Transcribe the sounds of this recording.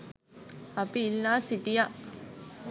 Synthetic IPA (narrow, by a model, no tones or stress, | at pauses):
ɐpiːlːaːsiʈijaʔ